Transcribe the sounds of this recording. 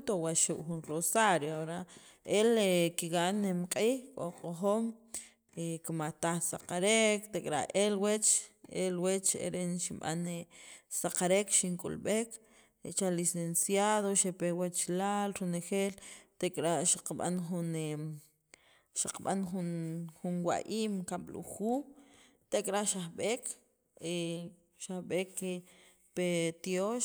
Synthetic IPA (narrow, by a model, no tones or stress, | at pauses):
t̪owaʃuʔxunrosaɾjoaɾa | elekiɣanemqʼiːxkʼo̰qʼoxoːm | ekimat̪aχsaqaɾekt̪ekʼɾa̰elwet͡ʃelwet͡ʃḛɾenʃimɓa̰nesaqaɾekʃiŋkʼṵlɓek | t͡ʃalisensjaðoʃepewat͡ʃlalɾonexeːlt̪ekʼɾaʔʃaqɓa̰nxune | ʃaqɓanxunxunwa̰ʔiːmkaɓlṵxuː | t̪ekʼɾaʔʃahɓek | e | ʃahɓekːe | pet̪joʃ